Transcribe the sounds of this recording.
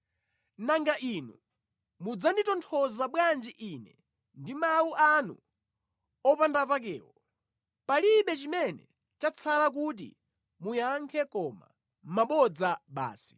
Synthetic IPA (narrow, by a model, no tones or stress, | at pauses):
naŋɡaʔinu | mud͡zanditɔntʰɔzaɓwand͡ʒiʔinɛ | ndimawuʔanṵ | ɔpandapak̬ɛ̰ːwɔ | paliɓɛt͡ʃimɛnɛ | t͡ʃat͡sʰalak̬ut̬ḭ | mujaŋkʰɛkɔma̰ | maɓɔd͡zaɓa̰ːsi̥